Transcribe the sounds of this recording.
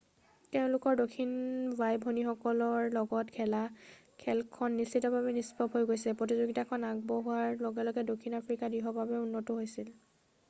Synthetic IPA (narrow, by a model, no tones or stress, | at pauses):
tɛʊ̃lʊkɔɹdokʰːinbajbʱonixɔkɔlɔɹlɔɡɔtkʰɛlakʰɛlkʰɔnːisitɔbabɛnispɔpɦojɡojsɛpɹotizuɡitakʰɔnaɡ̚bɔɦuaɹlɔɡɛlɔɡɛdokʰinapʰɹikadiɦɔbabɛunːɔtʊɦojsil